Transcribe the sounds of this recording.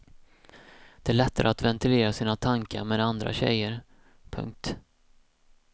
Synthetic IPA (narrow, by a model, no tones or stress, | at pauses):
d̪̥ɛæːɭɛt̪ːaɾʔəat̪vɛnt̪ʰɪleːɾasiːnat̪ʰaŋka̰ɾmeːd̪and̪ɾa̰ɕɛ̰jːəɾ | pʰɵ̰ŋk̚t̪